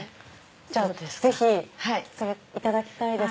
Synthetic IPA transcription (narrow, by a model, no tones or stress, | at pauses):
d͡ʑaze̞çʲihisoɾe | it̪ad̪akʲi̥t̪aid̪e̞